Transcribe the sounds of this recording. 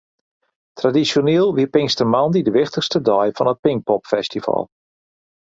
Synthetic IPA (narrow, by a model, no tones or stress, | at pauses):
tradisjoneːlˠʋipɪŋstərmɑndidəʋɪχtəxstədɔjfɔnət̚pɪŋk̚pɔpfɛstifɑ̰lˠ